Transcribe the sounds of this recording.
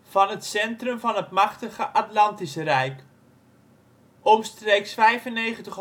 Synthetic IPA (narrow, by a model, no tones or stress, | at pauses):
v̥ɑnɦətsɛntrɵmvɑnɦətmɑχtəχəʔatlɑntisərɛjk | opstrejksfɛjvənejχəntəχ